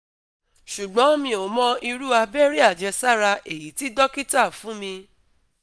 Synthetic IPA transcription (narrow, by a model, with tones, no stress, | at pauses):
ʃu˨ɡ͡bɔ̃˨˦mĩ˧o˨mɔ̃˦i˧ɾu˦a˧bɛ˦ɾi˦a˦˨d͡ʒɛ˧sa˦ɾa˧ʔe˨ji˨˦ti˦dɔ˦ki˦ta˦˨fũ˨˦mĩ˧